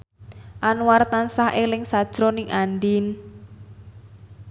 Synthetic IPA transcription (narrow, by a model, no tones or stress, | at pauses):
ʔanuwart̪ansaɦʔelɪŋsad̥ʒ̥ɾɔnɪŋanɖin